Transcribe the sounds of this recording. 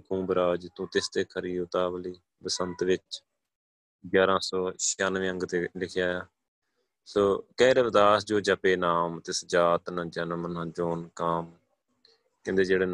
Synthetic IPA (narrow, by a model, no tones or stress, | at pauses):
kũːbɾaːd͡ʒt̪ũːt̪ɪst̪eːkʰəɾiːʊt̪aːbəliː | bəsənt̪ʋɪt͡ʃ | ɡjaːɾãːsɔːʃaːnʋẽːə̃ŋɡt̪eːlɪkʰjaːjaː | soːkɛːɾeːʋəd̪aːsd͡ʒoːd͡ʒəpeːnaːmt̪ɪsd͡ʒaːt̪nãːd͡ʒənəmnãːd͡ʒoːnkaːm | kɪ̃nd̪eːd͡ʒeːɽeː